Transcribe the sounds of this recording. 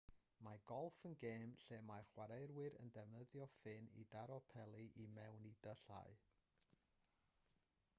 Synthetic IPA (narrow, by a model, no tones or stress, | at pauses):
maɡ̥ɔlˠfənɡeːmɬemaχwaɾejrwɪɾə̰ndɛvnəðjɔfɪnḭdaɾɔpʰɛlˠiʔimɛwnidəɬa̰ɨ